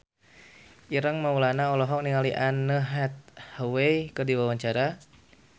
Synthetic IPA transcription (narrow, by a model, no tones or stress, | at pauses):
ʔiɾəŋmaulanaɔlɔɦɔŋ̚niŋaliʔanːəɦɛt̪̚hawejkərdiwawaɲt͡ʃaɾa